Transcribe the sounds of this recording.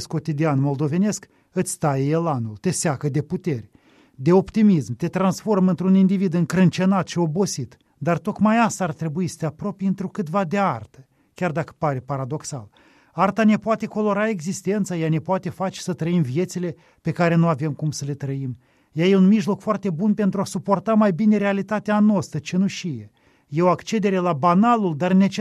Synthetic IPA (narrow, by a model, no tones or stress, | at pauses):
sko̞t̪id̪ianmo̞ld̪o̞ve̞ne̞sk | ɨt̪sʲt̪ajejelanult̪e̞seakəd̪e̞put̪e̞rʲ | d̪e̞o̞pt̪imismt̪e̞t̪ɾansfo̞rmɨnt̪ɾunind̪ivid̪ɨŋkɾɨnt͡ʃe̞nat̪ʃio̞bo̞sit̪ | d̪art̪o̞kmajast̪aːrt̪ɾe̞buisə̥t̪eapɾo̞pjɨnt̪ɾukɨt̪vad̪e̞art̪ə | kʲard̪akə̥paɾepaɾad̪o̞ksa̰l | art̪ane̞poat̪e̞ko̞lo̞ɾae̞ɡzist̪e̞nt̪sajane̞poat̪e̞fat͡ʃe̥sət̪ɾəimvije̞t̪sile̞ | pe̞kaɾe̞nuave̞mkumsəle̞t̪ɾəim | jajeunmiʒlo̞kfoart̪e̞bunpe̞nt̪ɾuasupo̞rt̪amajbine̞ɾealit̪at̪eanoast̪ət͡ʃenuʃije | jeoakt͡ʃe̞d̪e̞ɾe̞labanaluld̪arne̞t͡ʃ